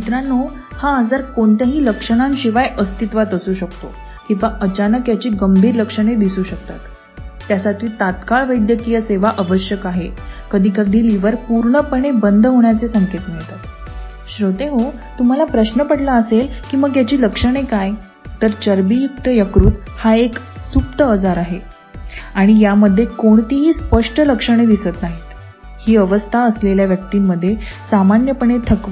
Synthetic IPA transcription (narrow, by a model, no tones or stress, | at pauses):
t͡ɕit̪ɾanːo | haːd͡zəɾkoɳt̪əɦiːləkʂəɽ̃ãnɕiʋajʔəst̪it̪ʋat̪əsuːɕəkt̪o | kĩʋaʔət͡ɕanəkjat͡ɕiːɡəmbʱiːɾləkʂəɽ̃ed̪isuːɕək̚t̪a̰t̪ː | jasat̪ʰiːt̪at̪kaɭʋəjd̪jəkijəseʋaʔəʋəɕjəkaɦekəd̪ʱiːkəd̪ʱiːliʋəɾpuɾɳəpəɳ̃ebənd̪ʱɦoɳjat͡sesəŋket̪miɭt̪at̪ | ɕɾot̪eɦo | t̪um̤alapɾəɕnəpəɽlaəselkiːməɡjat͡ɕiːləkʂəɽ̃ekaj | t̪əɾt͡ɕəɾbijuk̚t̪əjəkɾuːt̪ | haek | sup̚t̪əəd͡zaɾaɦe | aɽ̃ijaməd̪ʱːjekoɳt̪iɦiːspəʂʈələkʂəɽ̃ed̪ʱisət̪naɦit̪ | hiːəʋəst̪ʰaəsleljaʋjək̚t̪imːəd̪ʱːjesamanjəpəɳ̃et̪ʰəkʋə